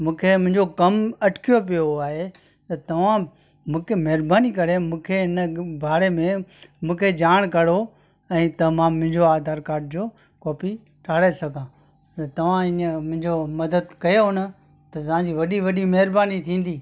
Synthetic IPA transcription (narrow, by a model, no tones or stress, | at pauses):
mũːkʰemʊ̃ɦɪ̃ɲd͡ʑokɐmɐʈʰkʰijop̬ijoaːɦe | t̪ɐt̪ɐʋ̤ã | mũːkʰemɐɦɾbaːnik̬ɐɾemũːkʰeɪnəbʱaːɾemẽmũːkʰed͡ʑaːɽ̃kɐɽo | ɛ̃ːt̪ɐmãːmːʊ̃ɦɪ̃ɲd͡ʑoaːd̪ʱaːɾkaːɾɖ̚d͡ʑoː | kɔːpʰi | ʈʰaːɽesɐɡʱãː | ɐt̪ɐʋ̤ãiːə̃mʊ̃ɦɪ̃ɲd͡ʑomɐd̪əd̪kɐjoɦʊnə̆ | t̪ɐt̪ɐʋ̤ãːɲd͡ʑiːʋɐɗiʋɐɗimɐɦɪɾbaːnit̪ʰĩːn̆d̪iː